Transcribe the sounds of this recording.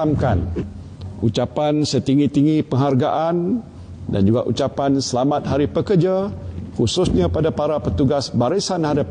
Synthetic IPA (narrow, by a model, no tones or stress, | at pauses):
amkan | ut͡ʃapansət̪iŋɡit̪iŋipəŋɦarɡaʔan | da̰nd͡ʒuɡaʔut͡ʃapansəlamãt̪̚ɦaɾipəkərd͡ʒakusʊsɲãpadapaɾapət̪uɡasbaɾisanhadap̚